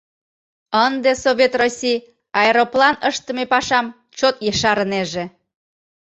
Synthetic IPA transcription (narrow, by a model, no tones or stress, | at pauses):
ənd̪esoβʲet̪rosʲij | ɑeɾoplɑnəʃt̪ə̆mepɑʃɑm | t͡ɕot̪jəʃɑɾəneʒe